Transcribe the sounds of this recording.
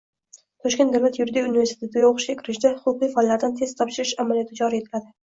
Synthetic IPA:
t̪ʰɒʃkʲe̞nd̪awlat̪jʊɾd̪iunɪve̞ɾst̪ʰɪt̪ɪjaoqʰʊ̥ʃkʲakʲʰɪɾɪʃd̪ahʊqʊqijfɒlːaɾd̪ant̪ʰe̞z̥t̪ʰɒpʃɪɾɪʃamaljɒt̪ʰɪd͡ʒɒɾije̞t̪ʰɪlad̪ɪ

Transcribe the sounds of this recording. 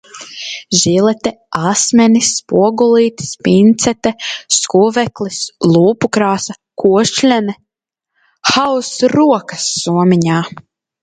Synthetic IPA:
ʒilɛt̪ɛasmʲɛnispuɔɡulˠiːt̪i̥spint̪sɛt̪ɛskuvɛklislˠuːpukɾaːsa | kʰuɔʃlʲɛnɛ | xawsɾuɔkɐsːuɔmʲiɲaː

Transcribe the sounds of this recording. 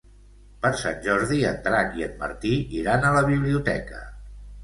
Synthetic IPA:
pəɾsa̰nʲʒɔɾðiənt̪ɾakiəd̪̚mə̰ɾt̪iiɾanələβiβliut̪ɛ̰kə̰

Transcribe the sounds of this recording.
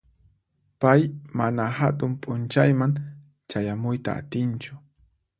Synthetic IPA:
pajmanahat̪ʊmpʼʊnt͡ʃajmaŋ | t͡ʃajamʊjt̪a̰ːt̪ɪnt͡ʃʊ̥

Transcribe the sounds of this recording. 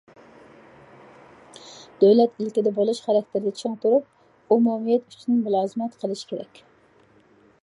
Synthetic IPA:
d̪̥øwlɛt̪ilkʲid̪ɛbolˠuʃχæɾɛkʲt̪ʰɪɾɪd̪ɛt͡ʃʰeŋt̪uɾup̚ | umumijɛt̪y̥t͡ʃʰinɪmulˠɑːzɨmɛt̪qʰəlˠɨʃkʲʰeɾɛ̰kʲ

